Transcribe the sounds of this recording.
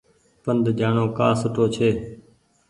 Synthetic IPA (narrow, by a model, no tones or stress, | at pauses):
pənd̪d͡ʒaːɳoːkaːsʊʈoːt͡ʃʰeː